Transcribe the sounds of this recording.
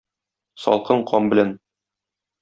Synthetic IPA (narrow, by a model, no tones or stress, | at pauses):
sɒ̰lˠqɤɴqʰɒmbɘ̆læn